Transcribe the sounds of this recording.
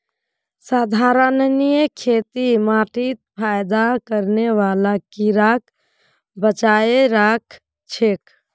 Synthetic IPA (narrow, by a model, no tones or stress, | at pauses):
saːd̪ʱaɾənnijəkʰet̪imaʈit̪̚pʰajd̪akəɾneʋalakiɾakʰ | bət͡ʃajeɾakʰ | t͡ʃʰek